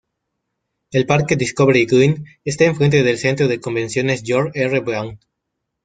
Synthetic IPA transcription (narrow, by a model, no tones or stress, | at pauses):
elpaɾkediskoβeɾeiɡin | est̪aeɱfɾe̞nt̪eðelse̞nt̪ɾoðeko̞mbe̞nsjo̞nezʝoɾerebɾawn